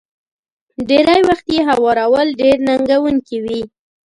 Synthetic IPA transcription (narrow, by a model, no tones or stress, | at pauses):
ɖeɾajwaxt̪jeɦawɑɾawəlɖeɾnaŋɡawuŋkiwi